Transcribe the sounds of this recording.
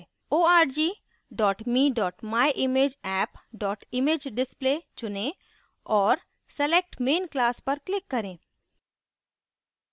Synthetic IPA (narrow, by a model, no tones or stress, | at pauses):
oːaːɾd͡ʒiː | ɖɔːʈmiːɖɔːʈmaːjʔɪmeːd͡ʒɛːpɖɔːʈɪmeːd͡ʒɖɪspleːt͡ʃʊnẽ | ɔːɾ | sɛleːk̚ʈmeːnklaːspɐɾklɪkːɐɾẽː